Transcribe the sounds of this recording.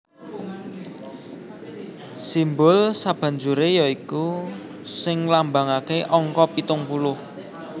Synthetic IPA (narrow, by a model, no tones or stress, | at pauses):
simbʊlsab̥ä̤ɲd͡ʒuɾejaiku | sɪŋlambaŋakeʔɔŋkɔpit̪ʊŋpulʊh